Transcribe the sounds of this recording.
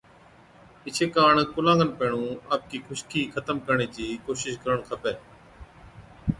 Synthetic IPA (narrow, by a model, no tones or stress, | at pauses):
ɪt͡ʃʰeːkaːɳkʊlãːŋɡənpeːɳũːaːp̚kiːkʰʊʃkʰiːkʰət̪əmkəɾɳeːd͡ʑiːkoːʃɪʃkəɾəɳkʰəpeː